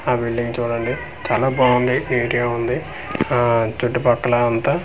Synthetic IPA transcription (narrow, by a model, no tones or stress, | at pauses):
aːbiɭːiŋt͡ʃuːɽɐɳɖi | t͡ʃaːlaːboɳɖieːʈiɡaːund̪i | t͡ʃuʈːupɐkːɐlɐɐnt̪ɐ